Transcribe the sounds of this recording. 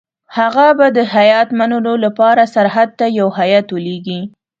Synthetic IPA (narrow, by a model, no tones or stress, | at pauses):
haɣabad̪əhajɑt̪manəlolapɑɾasaɾɦad̪̚t̪ajawhajɑt̪wəleɡi